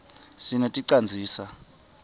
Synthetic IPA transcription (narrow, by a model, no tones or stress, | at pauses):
sinɔtʼiǀand͡zʱiːsa